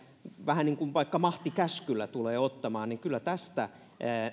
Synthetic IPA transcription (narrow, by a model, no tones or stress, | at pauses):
ʋæhæniŋkunʋɑikːɑmɑht̪ikæskylːæt̪uleːot̪ːɑmɑːnniŋkylːˑæt̪æst̪æ